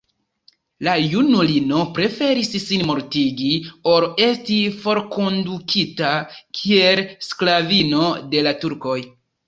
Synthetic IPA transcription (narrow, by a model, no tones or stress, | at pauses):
lajunulino̞pɾe̞fe̞ɾisːinmo̞ɾtiɡio̞ɾe̞stifo̞ɾko̞ndukʰitakʰielsklavino̞de̞latuɾko̞j